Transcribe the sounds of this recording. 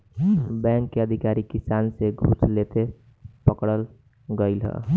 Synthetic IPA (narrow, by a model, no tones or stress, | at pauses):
bɛ̃ŋkːeəd̪ʱikaːɾikɪsaːnseɡʱṵslet̪e | pəkɽəl | ɡəɪlɦɛ̰